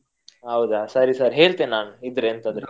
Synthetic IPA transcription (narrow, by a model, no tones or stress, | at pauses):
ɦɐwd̪asɐɾisaɾɦeːɭt̪ennːaːnid̪ɾeɐnt̪ɐnd̪ɾe